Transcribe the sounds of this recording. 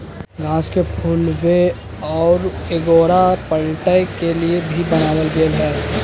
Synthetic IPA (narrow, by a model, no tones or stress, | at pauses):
ɡãːskepʰunʋe | ɔːɾeːɡoːɾaɾpəlʈəɪkeliebʱibənaːd̪əlɡeːlɦɛː